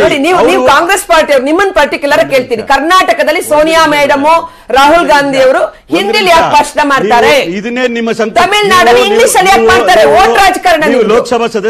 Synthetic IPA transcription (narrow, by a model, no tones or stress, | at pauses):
noɽiniːʋuniːʋukaːŋɡɾeːspaːɾʈijɐʋɾunimːɐnpɐɾʈikjulɐɾɐkeːɭt̪iːɾikɐɾnaːʈɐkɐd̪ɐlːisoːnijaːmɐjɖɐmoː | ɾaːɦulɡaːnd̪ʱijɐʋɐɾu | hind̪iljaːk̚pɐʂnɐmaːɖt̪aːɾeid̪ɐneːnimːɐsɐt̪ɐmelnaːɽɐlːiiŋɡliːʃɐlːijaːk̚maːɖt̪aːɾeoːʈɾaːd͡ʒkaːɾɐɳɐniloːksɐbʱasɐ